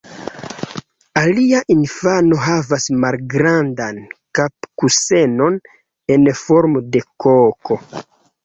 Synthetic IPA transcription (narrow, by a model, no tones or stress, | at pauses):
aliaʔinfano̞ɦavasmalɡɾandankapkuse̞non | e̞nfo̞ɾmode̞kokʰo̞